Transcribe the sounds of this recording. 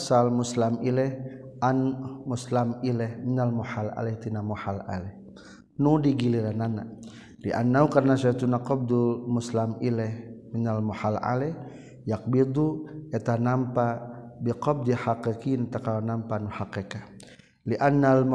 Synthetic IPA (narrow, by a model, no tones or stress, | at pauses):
salmuslamilɛhʔanmuslamilɛhminalmɔħala̰lɛht̪inamɔhala̰lɛh | nudiɡiliɾanana̰ | liʔa̰nːaukarnasait̪unaqɔb̚d̪ulmuslamilɛhminalmɔħala̰lɛh | jak̚bid̪uɛt̪anampabiqɔb̚d̪ihakekint̪akalanampanuhakeka | liʔanːalm